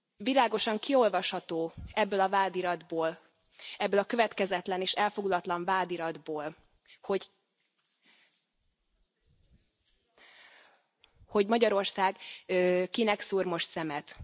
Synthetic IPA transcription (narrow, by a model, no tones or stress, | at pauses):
vilaːɡo̞ʃɒŋkio̞lvɒʃhɒt̪oːɛbːøːlɒvaːd̪iɾɒd̪boːl | ɛbːøːlɒkøvɛt̪kɛzɛt̪lɛneːʃɛlfo̞ɡlɒt̪lɒɱvaːd̪iɾɒd̪boːl | ho̞ɟ | ho̞ɟmɒɟɒɾo̞rsaːɡ | kinɛksuːrmo̞ʃt̪sɛmɛt̪